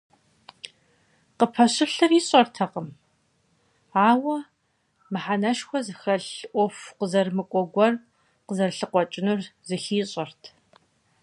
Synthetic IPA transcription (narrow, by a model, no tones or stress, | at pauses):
qəpʰɐɕɪɬɨriːɕʼɐrtʰɐqəm | aːwɐ | mɨħanɐʃxʷɔzɨxɐɬʔʷɔfqəzɐrmɨkʷʼɔɡʷɔr | qəzɐrɬɨqʷɔt͡ʃʼɪnurzɨxiːɕʼɐrtʰ